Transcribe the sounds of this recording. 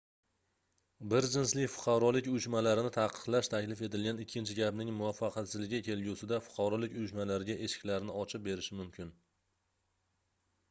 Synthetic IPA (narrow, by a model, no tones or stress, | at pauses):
bɪɾd͡ʒɪnslɪkʲfʊ̥qʰɑɾɒlɪkʲʊjʊʃmalaɾɪnɪt̪ʰaqʰɨ̥qlaʃt̪ʰakʲlɪfe̞t̪ɪlɡʲanɪkʲʰːɪnt͡ʃʰɪɡʲapnɪŋmʊvafːɑqʰat̪sɪzlɪɡʲɪkʲʰe̞lɡʲusɪd̪afʊ̥qʰɑɾɒlɪkʲʊjʊʃmalaɾɪɡʲaʔe̞ʃɪ̥kʲlaɾnɪɒt͡ʃʰɪp̚be̞ɾɪʃɪmʊmkʲʰɪn